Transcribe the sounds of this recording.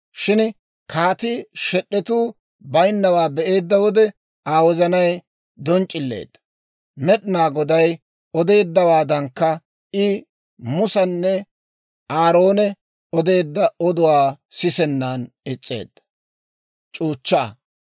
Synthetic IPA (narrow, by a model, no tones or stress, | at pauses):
ʃɪn | kʰaːt̪ɪʃɛɗːɛt̪uː | bɐjnːɐwaːbɛʔe̞ːd̪ːɐwɔd̪ɛ | aːwɔzɐnɐj | d̪ɔnt͡ʃʼɪlːḛːd̪ːɐ | mɛɗɪnaːɡɔd̪ɐj | ɔd̪e̞ːd̪ːɐwaːd̪ɐŋkːɐ | ɪ | mʊsɐnːɛ | aːɾo̞ːnɛ | ɔd̪e̞ːd̪ːɐɔd̪ʊwaːsɪsɛnːaːn | ɪt͡sʼːe̞̰ːd̪ːɐ̥ | t͡ʃʼuːt͡ʃːɐɐ̰